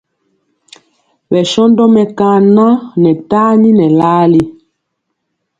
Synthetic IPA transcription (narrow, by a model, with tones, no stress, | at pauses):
ɓɛ˨ʃɔ˦ndɔ˦mɛ˨kãː˨nã˦nɛ˨taː˦ni˦nɛ˨laː˦li˦